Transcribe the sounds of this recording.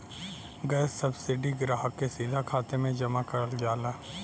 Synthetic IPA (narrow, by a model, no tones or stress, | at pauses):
ɡɛːssɐbsɪɖiɡɾaːɦəkːesiːd̪ʱakʰaːt̪emẽd͡ʒɐmakɐɾəld͡ʒaːlaː